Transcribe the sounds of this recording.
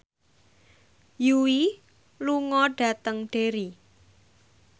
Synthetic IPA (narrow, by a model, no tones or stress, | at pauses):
juwi | luŋɔɖ̥a̤t̪əŋɖ̥eɾi